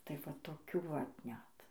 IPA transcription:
ˈtɐɪ ʋɐ toːˈkʲuː ʋɐt ˈnʲɛt

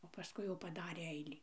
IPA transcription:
oː pɐˈskʊɪ jɛʊ pɐˈdɑːrʲeː ˈɛɪlʲiː

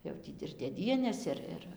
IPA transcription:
jɛʊ ˈtʲiː ɪr dʲeːˈdʲiɛnʲeːs ˈɪr ˈɪr

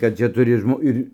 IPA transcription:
kɐt ˈt͡ʃʲɛ ˈtʊrʲɪ ˈʒmoː ˈɪrʲ

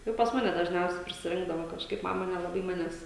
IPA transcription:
ˈjɛʊ pɐs ˈmɑːnʲɛ dɐʒʲˈnʲɛʊsʲɛɪ pʲrʲɪsʲɪˈrʲɪŋɡdɐʋoː kɐʃˈkɐɪp ˈmɑːmɐ nʲɛlˠɐˈbɐɪ ˈmɑːnʲɛs

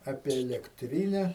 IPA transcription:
ˈɑːpʲiɛ ɛlʲɛkˈtʲrʲiːnʲɛ

